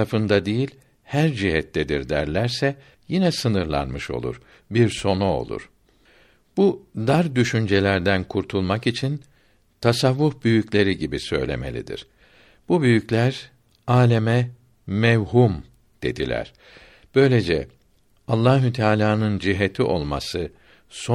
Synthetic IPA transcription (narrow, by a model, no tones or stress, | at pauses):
ɾafɯnd̪ad̪ejilʲ | hæɾd͡ʒiɦɛt̪ʰːɛd̪iɾd̪æ̰ɾlʲæɾsɛ | jinɛsɯnɯɾlˠa̰nmɯʃo̞̰lˠṵɾ̥ | biɾso̞nuo̞̰lˠṵɾ̥ | b̥ud̪aɾd̪yʃynd͡ʒelʲæɾd̪ænkʰuɾt̪ʰulˠmakit͡ʃʰin | t̪ʰasavːufbyjyclʲe̞ɾiɟibisø̞̰jlʲe̞̰me̞̰lʲḭd̪ḭɾ̥ | b̥ubyjyclʲæɾ | aːlʲemɛ | mɛvhum | d̪̥e̞d̪ilʲæ̰ɾ̥ | b̥ø̞jlʲed͡ʒɛ̰ | alˠːaːɦut̪ʰaːlʲaːnɯnd͡ʒiɦet̪ʰiʔo̞̰lˠma̰sɯ | so